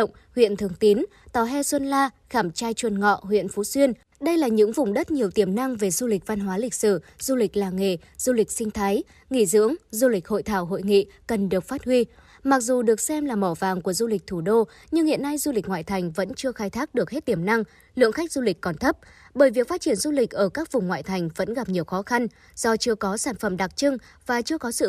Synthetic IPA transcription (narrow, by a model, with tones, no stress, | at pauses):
wŋ͡m | hwḭ˧˨ənt̪ʰɨ˨˩əŋt̪i˨˦n | t̪ɔ˨˩ɦɛ˧swə˧nlaː˧ | xaː˧˩mt͡ɕaː˧jt͡ɕwə˨˩nŋɔ̰˧˨ɦwḭ˧˨ənfu˨˦swi˧ən | ɗə˧jlaː˨˩ɲɨ̰˧˥ŋvʊ˨˩ŋ͡mɗə˦˥t̚ɲi˨˩əwt̪i˧˩əmna˧ŋve˨˩zu˧lï˨˩k̟̚va˧nɦwaː˨˦lï˨˩k̟̚sɨ˧˩ | z̥u˧lï˨˩k̟̚laː˨˩ŋe˨˩ | z̥u˧lï˨˩k̟̚sï˧ŋ̟t̪ʰa˨˦j | ŋḭ˧˨zɨ̰˧˥əŋzu˧lï˨˩k̟̚ho̰˧˨jt̪ʰaː˧˩wɦo̰˧˨jŋḭ˧˨ | kə˨˩nɗɨ˨˩ək̚faː˦˥t̚hwi˧ | ma˨˩k̚zu˨˩ɗɨ˨˩ək̚sɛ˧mlaː˨˩mɔ˧˩va̰ː˨ŋku˧˩əzu˧lï˨˩k̟̚t̪ʰu˧˩ɗo˧ | ɲɨ˧ŋhḭ˧˨əna˧jzu˧li˨˩ŋwa̰ː˧˨jt̪ʰa˨˩jŋ̟və̰˧˥nt͡ɕɨ˧əxaː˧jt̪ʰaː˦˥k̚ɗɨ˨˩ək̚he˦˥t̚t̪i˧˩əmna˧ŋ | lɨ̰˧˨əŋxa˦˥k̚zu˧lï˨˩k̟̚kɔ˨˩nt̪ʰə˦˥p̚ɓəː˧˩jvi˨˩ək̚fa˦˥t̚t͡ɕi˧˩ənzu˧lï˨˩k̟̚ʔəː˧˩kaː˦˥k̚vʊ˨˩ŋ͡mŋwa̰ː˧˨jt̪ʰa˨˩jŋ̟və̰˧˥nɣa˨˩p̚ɲi˨˩əwxɔ˨˦xa˧n | z̥ɔ˧t͡ɕɨ˧əkɔ˨˦saː˧˩nfə˧˩mɗa˨˩k̚t͡ɕɨ˧ŋ | vaː˨˩t͡ɕɨ˧əkɔ˨˦sɨ̰˧˨